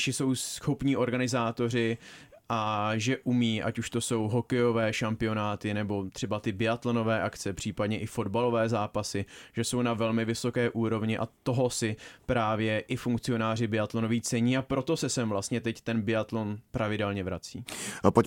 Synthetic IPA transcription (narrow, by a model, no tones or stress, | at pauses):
ʃɪso̞wsxopɲiːʔo̞ɾɡanɪzaːt̪o̞rɪ | ʔaʒɛʔumiːʔa̰cuʃt̪o̞so̞wɦo̞kɛjo̞vɛːʃampɪo̞naːt̪ɪnɛbo̞t̪r̥ɛbat̪ɪbɪat̪lono̞vɛːʔakt͡sɛpr̥iːpadɲɛʔɪfo̞dbalo̞vɛːzaːpasɪʒ̥ɛso̞wnavɛlmɪvɪso̞kɛːʔuːɾo̞vɲɪʔa̰t̪o̞ɦosɪpɾaːvjɛʔɪfuŋk̚t͡sɪo̞naːr̝ɪbɪat̪lono̞viːt͡sɛɲiːapɾo̞t̪o̞sɛsɛmvlast̪ɲɛt̪ɛct̪ɛnbɪat̪lo̞npɾavɪdɛlɲɛvɾa̰t͡siːpo